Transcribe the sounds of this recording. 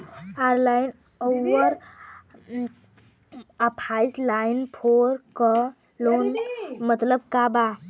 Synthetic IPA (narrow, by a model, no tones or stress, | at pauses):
aɾlain | owəɾ | əpʰaislajnpʰoɾkə | lonmət̪ləb̚kaba